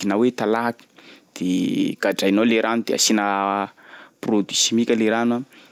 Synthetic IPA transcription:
inawet̪alaɦaki̥d̪̥eɡ̥aɖ͡ʐajnoleɾʔanud̪ea̰sinə | prod̪isimikʲəleɾanwa

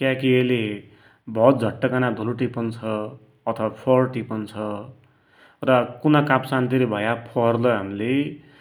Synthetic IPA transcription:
kjakiele | bʱʌt̪̚d͡zʱʌʈːʌkanad̪ʱuluʈipʌnt͡sʰʌː | t̪ʰʌwapʰʌrʈipʌnt͡sʰʌ | rʌkunakapsant̪iɾibʱʌjapʰʌɦrlʌɦamile

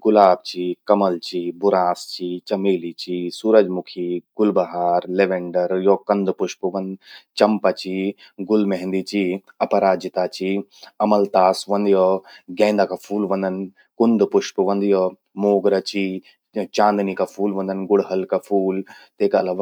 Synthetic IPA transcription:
ɡʊlaːb̚t͡ʃikɐmɐlt͡ʃibʊɾaːst͡ʃit͡ʃɐmeːlit͡ʃisuːɾɐd͡ʒmukʰiɡ̥ʊlbɐɦaːɾleʋeɳɖɐɾjoːkɐnd̪pʊʃpɨʋɐnd̪t͡ʃɐmpɐt͡ʃi | ɡʊlmeɦnd̪it͡ʃiɐpɐɾaːd͡ʒit̪at͡ʃiɐmɐlt̪aːsʋɐnd̪joɡẽːnd̪akapʰuːlʋɐ̃nd̪ɐn | kʊnd̪puʃpuʋɐnd̪jo | moːɡɾɐt͡ʃi | t͡ʃãːnd̪nikapʰuːlʋɐ̃nd̪ɐnɡʊɽɦɐlkapʰuːlt̪eːkaɐlaʋa

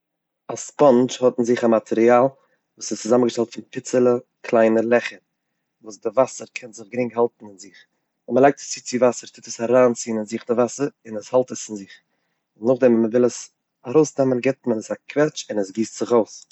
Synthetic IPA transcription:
aspɔnt͡ʃhɔtn̩zɪχamatʰɛɾiaːlˠ | vuːsɪst͡sɪzaməɡəʃtɛlˠtfɪnpɪt͡səlˠə | kʰlˠaɪnəlˠɛχəɾ | vuːsdɪvasəɾkʰɛnzɪχɡɾɪŋkhalˠtn̩ɪnzɪχ | ɛməlˠaɪk̚tə̥st͡sit͡sɪvasəɾtʰɪtəsaɾaːnt͡siːnɪnzɪχdɪvasəɾɪnəshalˠtəsɪnzɪχ | ɪnnʊχdɛmməvɪlˠəs | aɾoʊsdɛmənɡɛtmənəsakʰvɛt͡ʃɪnəsɡiːstz̥ɪχoʊs

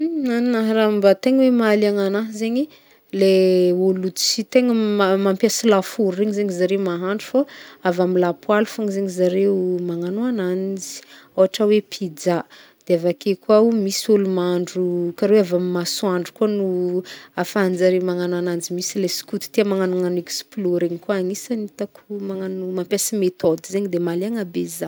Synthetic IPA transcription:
aninaɦɾambat̪eŋəwemaliaŋanazeɲi | leulut̪t͡sit̪eŋəmamampiasilafuɾeɲizeɲizaɾemaɦaɳɖ͡ʐufoavamilapwalufaŋzeɲizaɾemaŋanoanand͡zi̥ | oaʈ͡ʂawepʰid͡za | d̪̥eavakekwaumisulumaɳɖ͡ʐukaɾeweavammaswaɳɖ͡ʐukuanuafand͡zaɾewmaŋananand͡zimisilesi̥kut̪i̥t̪iamaŋanuŋaneksploɾeɲikuaaɲisanit̪akʰumaŋanumampjasimet̪od̪izeɲid̪emaleaŋabeza

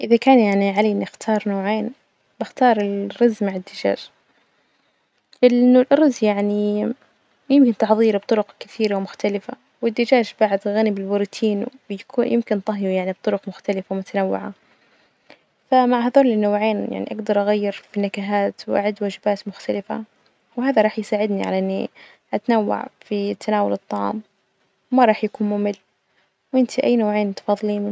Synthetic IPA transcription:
ʔɪðakaːnjaʕniʕalinʔɪxt̪ʰɑːɾˤnoːʕeːn | b̥ɪxt̪ɑːɾˤɪlrːɑzmaʕad̪ːɪd͡ʒa̰ːʃ | ʔɪnːʊlʔɑɾˤɑzjaʕni | jɪmkɪnt̪ɪħðˤiːɾb̚t̪ˤʊɾʊqkɪθiːɾawmʊxt̪alɪfa̰ | wɪd̪ːɪd͡ʒaːʃbaʕɪd̪ɣanibɪlbʊɾːt̪ʰiːnwjakuːjɪmkɪnt̪ˤɑɦjujaʕnib̚t̪ˤʊɾʊqmʊxt̪alɪfawmʊt̪anawːɪ̰ʕa | famaʕɦaðoːlɪnːowʕeːnja̰ʕnḭʔaɡd̪ɑɾˤʔaɣajːɪɾfinakaɦaːt̪wʔa̰ʕad̪waːd͡ʒɪbaːt̪mʊxt̪alɪfa̰ | wɦaːðaɾˤɑːħjsaːʕɪd̪niʕa̰laʔɪnːḭ | ʔat̪anawːa̰ʕfit̪ʰːanaːwalɨt̪ˤːɑʕɑ̰ːm | wmaɾˤɑːħjakuːnmʊmɪlː | wʔɪnt̪ʰiʔajːnoːʕeːnt̪ɑ̥fɑːðˤːliːn

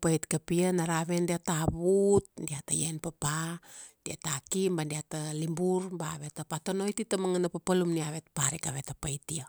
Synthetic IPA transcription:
pajtkapianaɾaβendiataβut̚ndiata̰jenpapad̥ia̰takimbandiatalimbuɾbaβe̞tapatono̞jtitamaŋanapapalumniaβetpaɾikaβetapajtio

